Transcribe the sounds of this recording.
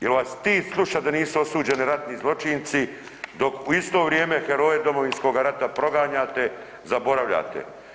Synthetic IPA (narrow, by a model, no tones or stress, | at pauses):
jelʋaːst̪iːslˠuʃad̪aniːsuo̞suːd͡ʑe̞niɾat̪nizlˠo̞t͡ʃint̪si | d̪o̞kuist̪o̞ʋɾjeːme̞xeɾo̞ːjed̪o̞mo̞ʋinsko̞ɡaɾat̪apɾo̞ɡaːɲaːt̪e̞ | zabo̞ɾaʋʎa̰ːt̪ḛ